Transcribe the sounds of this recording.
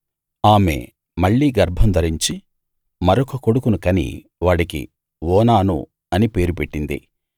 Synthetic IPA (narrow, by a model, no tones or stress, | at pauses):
aːme̞̰ | mɐɭːiːɡɐɾbʱɐmd̪ɐɾiɲt͡ʃi | mɐɾɔkɐko̞ɽukunukɐnḭ | ʋaːɽikḭ | ʋɔːnaːnṵ | ɐnipe̞ːɾupeʈːind̪ḭ